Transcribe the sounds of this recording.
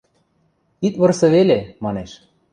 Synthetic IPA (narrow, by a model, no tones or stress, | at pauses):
it̪βɤ̆rsɤ̆βelemɑneʃ